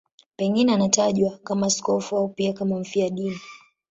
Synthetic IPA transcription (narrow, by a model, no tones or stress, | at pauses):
pɛŋɡinɛanataʄwakamaskɔfuaupiakamam̩fiaɗini